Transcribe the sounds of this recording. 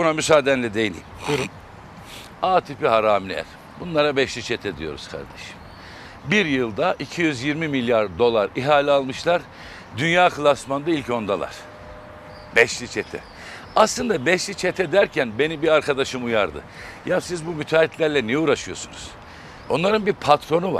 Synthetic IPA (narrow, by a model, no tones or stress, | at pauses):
bunamysaːd̪ɛnlʲɛd̪ejilʲḭːmuɾ | aːt̪ʰipiɦaɾaːmlʲæ̰ɾ̥ | bunlˠaɾabɛʃlʲit͡ʃʰɛt̪ʰɛd̪ijo̞̰ɾuzkʰa̰ɾd̪eʃi̥m | biɾjɯlˠd̪aʔicʰijyzjiɾmimilʲjaɾd̪o̞lˠaɾiɦaːlʲɛalˠmɯʃlˠaɾ | d̪ynjaːkʰɯlˠasmand̪ailʲco̞nd̪alˠa̰ɾ̥ | bɛʃlʲit͡ʃʰɛt̪ʰɛ̰ | aslˠɯnd̪abɛʃlʲit͡ʃʰet̪ʰɛd̪æɾcʰænbe̞nibiaɾkʰad̪aʃɯmujaɾd̪ɯ̰ | jasizbumyt̪ʰaːit̪lʲæɾlʲɛnijɛuːɾaʃɯjo̞sunuz̥ | o̞nlˠaɾɯnbiɾpʰat̪ʰɾo̞nuva̰